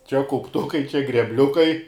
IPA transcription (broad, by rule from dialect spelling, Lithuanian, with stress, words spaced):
t͡ʃʲɛ kɐʊpˈtʊkɐɪ t͡ʃʲɛ ɡrʲɛbʲˈlʲʊkɐɪ